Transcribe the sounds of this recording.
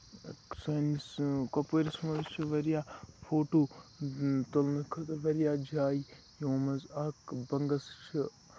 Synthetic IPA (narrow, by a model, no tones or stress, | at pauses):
sɐniskɐpeɾismɐzt͡ʃʰiʋɐɾijaːfʰoːʈoː | t̪olnɐkʰɐt̪ɐʋɐɾijaːd͡ʒʱaːi | jõːmɐzɐːkbɐŋɡɐst͡ʃʰi